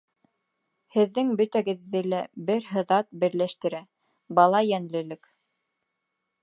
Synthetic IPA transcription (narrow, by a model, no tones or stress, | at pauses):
hɘ̆ðːɘŋbɵt̪æɡɘ̆ðːɘlæbɘɾɦɤ̆ðɑt̪̚bɘ̆ɾlæʃt̪ɘ̆ɾæ | bɑlˠɑjænlɘ̆lɘk